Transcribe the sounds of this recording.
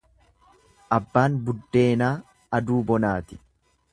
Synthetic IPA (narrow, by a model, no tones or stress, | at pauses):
ʔɐbːaːnbʊd̪ːe̞ːnaː | ɐd̪uːbɔnaːt̪ɪ̥